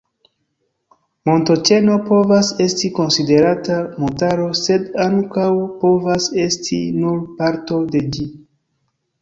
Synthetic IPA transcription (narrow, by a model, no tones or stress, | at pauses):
mo̞nto̞t͡ʃe̞no̞po̞vase̞stiko̞nside̞ɾatamutaɾo̞se̞daŋkawpo̞vase̞stʰḭnuɾpaɾto̞de̞d͡ʒi